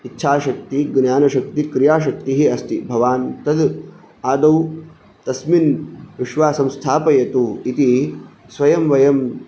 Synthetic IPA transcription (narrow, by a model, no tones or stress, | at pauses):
itːʃʰaːʃɐk̚t̪iɡnjaːnɐʃɐk̚t̪ikɾijaːʃ̬ɐk̚t̪iɦiɐst̪ibʱɐʋaːnt̪ɐd̪ | aːd̪ɐw | t̪ɐsminʋiʃʋaːsɐ̃mst̪ʰaːpɐjɐt̪uit̪i | sʋɐjɐmʋɐjɐm